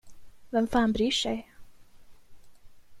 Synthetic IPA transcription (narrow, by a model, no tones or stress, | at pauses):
vɛmfaːnbɾyːʂɛj